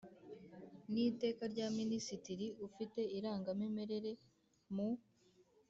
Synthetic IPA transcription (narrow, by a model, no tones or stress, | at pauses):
nite̞ːkaɾɟaːminisitiɾiufite̞iɾaːŋɡamime̞ɾe̞ɾe̞ | mu